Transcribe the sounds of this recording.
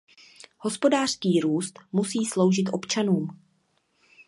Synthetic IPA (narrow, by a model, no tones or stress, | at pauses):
ho̞spo̞daːr̥skiːɾuːst̪musiːslo̞wʒɪt̪ʔo̞pt͡ʃanuːm